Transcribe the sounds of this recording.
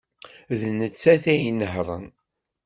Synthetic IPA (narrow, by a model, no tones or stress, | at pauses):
ðnət͡sːæθæjinəɦɾˤə̰n